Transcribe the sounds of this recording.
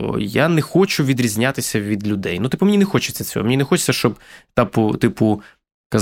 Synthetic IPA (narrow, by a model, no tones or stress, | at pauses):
ɔ̰janɛxɔt͡ʃʊʋʲid̪ɾʲizʲnʲat̪ɪsʲɐʋʲid̪lʲʊd̪ɛjnut̪ɪ̥pʊmenʲinɛxɔt͡ʃɪt͡sʲɐt͡sʲɔ̰ɦɔ̰mnʲinɛxɔt͡ʃɪ̥t͡sʲːɐʃt͡ʃɔbt̪ɑpʊt̪ɪpʊ | kɐz